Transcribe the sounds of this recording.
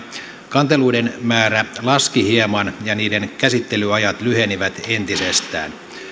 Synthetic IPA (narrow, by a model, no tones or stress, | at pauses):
kɑnt̪eluidenmæːɾælɑskihiemɑnjɑniːde̞nkæsit̪ːe̞lyɑjɑt̪lyɦe̞niʋæt̪ent̪isest̪æ̰ːn